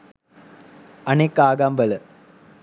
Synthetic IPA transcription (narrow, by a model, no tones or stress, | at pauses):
ɐnekːaːɡaːmbɐlə